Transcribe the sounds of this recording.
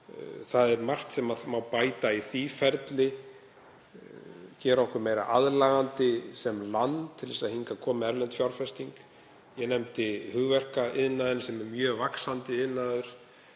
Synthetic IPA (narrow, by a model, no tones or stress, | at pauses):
θaðɛɾmar̥t̪sɛmaðmawpaːjt̪aiθifɛɾt̪lɪ | cɛːɾɔhkʏɾmeːjɾa̰ʔaðlaːɣant̪ɪsɛmlant̪ʰːɪlðɛsaðhiŋkakʰɔːmɪɛɾlɛnt̪fjawɾfɛst̪iŋk | jɛnɛmt̪ɪhʏɣvɛr̥kaʔɪðnːaðʏnsɛmɛɾmjœːvaksant̪ɪɪðnːaðʏɾ̥